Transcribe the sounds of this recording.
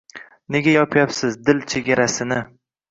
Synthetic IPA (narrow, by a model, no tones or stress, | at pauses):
ne̞ɡʲajɒpʰjapsɪzd̪ɪlt͡ʃʰe̞ɡʲaɾasɪnɪ